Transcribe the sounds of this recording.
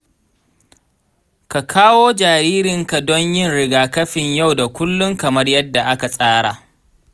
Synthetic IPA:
ka˨kʰaː˦woː˦d͡ʒaː˨ɾiː˦ɾɪ˨ŋka˨dɔ˦ɲjɪ˦˨nɽɪ˨ɡaː˨kɐ˦ɸɪ˨ɲja˦˨wda˨kʷʊ˦lːʊ˦ŋkɐ˨mɐ˦rjɐ˦dːa˨ʔa˦ka˨sʼaː˦ɽaː˨

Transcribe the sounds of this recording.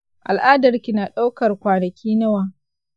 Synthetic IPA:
ʔa˨lʔaː˦dɐ˨rkʲi˨naː˨ɗa˦wkɐ˨rkʷaː˨nɐ˨kʲiː˦nɐ˦waː˨

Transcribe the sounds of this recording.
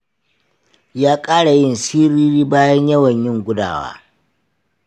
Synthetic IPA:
jaː˦kʼaː˦ɽa˨jɪ˦nsiː˦ɾiː˦ɾiː˦baː˦jɐ˦ɲjɐ˦wɐ˨ɲjɪ˦ŋɡʷʊ˦da̰ː˨wa̰ː˦

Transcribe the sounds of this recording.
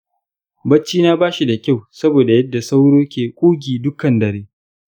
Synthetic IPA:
bɐ˦t͡ʃːiː˦naː˦baː˦ʃi˨da˨kʲa˦˨wsɐ˦boː˨da˨jɐ˦dːa˨sa˦wɽoː˦kʲeː˨kʷʼuː˦ɡʲiː˨dʊ˦kɐ˨ndɐ˨ɾeː˦

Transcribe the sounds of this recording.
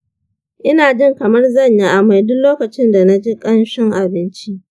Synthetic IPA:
ʔɪ˦naː˨d͡ʒɪ˦˨ŋkɐ˨mɐ˦rzɐ˦˨ɲji˦ʔa˨ma˨jdʊ˦loː˦kɐ˨t͡ʃɪ˦nda˨na˦d͡ʒi˦kʼɐ˦nʃɪ˦ŋʔa˨bɪ˦nt͡ʃi˦ʔ

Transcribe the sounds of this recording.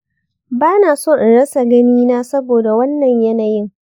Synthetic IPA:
baː˦naː˨soː˦˨ʔɪ˨ɽɐ˦sa˨ɡɐ˦miː˦naː˦sɐ˦boː˨da˨wɐ˦nːɐ˨ɲjɐ˦naː˨jɪ˦ŋ

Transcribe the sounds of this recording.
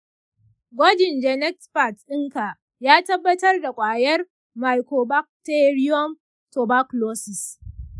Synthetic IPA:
ɡʷɔ˦d͡ʒɪ˨nd͡ʒɛ˨nɛ˦ktpa˨tʔɪ˦ŋka˨ | jaː˦tɐ˦bːɐ˦tɐ˦rda˨kʷʼaː˨jɐ˦r | ma˨jko˨ba˦k̚te˦ɾi˦jɔ˦m | to˨ba˦kloː˦sɪ˨s

